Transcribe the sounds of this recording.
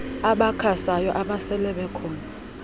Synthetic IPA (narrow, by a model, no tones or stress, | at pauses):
aɓakʰasajɔʔaɓasɛlɛɓɛkʰɔːna